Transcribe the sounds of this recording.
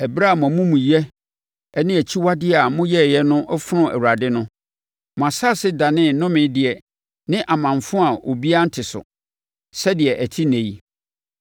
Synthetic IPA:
ɛ˨bɾa˦˨m˨ɔ̃˨˦mũ˦mũ˨jɛ˦ | ɛ˦nɪ̃˦æ˨t͡ɕʰi˦wa˦dɪ˦a˨mʊ̃˦jɛ˦˨jɛ˦nʊ̃˦ʔɔ˦fɾʊ̃˦æ̰˨wu˨a˨dɪ˦nʊ̃˦ | mʊ̃˨a˨sa˦˨sɪ˦da˨nɪ̃˦˨˦nʊ̃˦mɪ̃˨˦dɪ˨ɛ˨ | nɪ̃˦ʔa˨mã˨ɱfʊ̃˦a˨ʔo˨bi˦a˦n̩˦tʰɪ˨sʊ̰˨ | sɛ˦dɪ˨ɛ˨ʔæ˨tʰi˦nẽ˨ji˦

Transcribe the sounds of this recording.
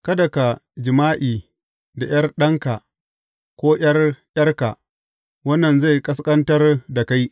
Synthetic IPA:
kɐ˦dɐ˨ka˨d͡ʒɪ˨maː˦ʔiː˨ | da˨j̰ɐ˦rɗɐ˦ŋka˨ | kʷoː˦j̰ɐ˦rjɐ˦rka˨ | wɐ˦nːɐ˨nza˦˨jkʼɐ˦s̬kʼɐ˦ntɐ˦rda˨ka˦j

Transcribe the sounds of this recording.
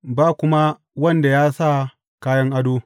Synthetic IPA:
baː˦˨kʷʊ˦ma˦ | wɐ˦nda˨jaː˦sa˦˨ | kaː˦jɐ˦ŋʔa˦doː˦

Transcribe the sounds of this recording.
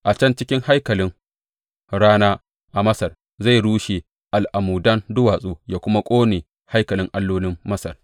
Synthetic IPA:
ʔa˨t͡ʃɐ˦nt͡ʃɪ˦kʲɪ˦ŋha˦jkɐ˨lɪ˦ŋ | ɽaː˦naː˦ | ʔa˨mɐ˦sɐ˨r | za˦˨ɽuː˦ʃeː˨ | ʔa˨lʔa˨muː˨dɐ˦ndʊ˦waː˨sʼoː˦jaː˨kʷʊ˦ma˦kʷʼoː˦neː˨ | ha˦jkɐ˨lɪ˦ŋʔa˦lːoː˦lɪ˦mːɐ˦sɐ̰˨r

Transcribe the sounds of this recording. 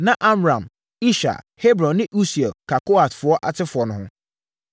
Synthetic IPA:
nã˨ʔa˦mɾã˨m | i˦ʃa̰˨ | he˦bɾɔ̃˨nːɪ̃˦ʔu˦si˨a˨kʰa˨ko˦a˨tfʊ˨˦ɔ˦ʔa˨tʰɪ˦fʊ˨ɔ˨nʊ̃˨hʊ̃˦

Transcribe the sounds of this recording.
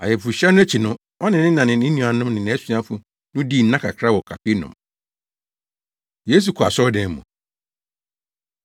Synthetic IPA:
a̰˨jɛ˨fu˨ɕɛ˦nʊ̃˦æ˦t͡ɕʰi˨nʊ̃˦ | ɔ˦nɪ̃˨nɪ̃˦nã˨nɪ̃˨nɪ̃˦nĩ˨a˨nʊ̃˦mnɪ̃˨ñ˨ɛ˦sɥã˦fu˨ | nʊ̃˦di˦˨n̩˦nã˦kʰa̰˨kʰɾa˦wɔ˨kʰa˨pʰi˦nʊ̰̃˨m | jeː˦s̬u˨kʰɔ˨a̰˨sɔ˦dɛ̃˨m˦mṵ̃˨

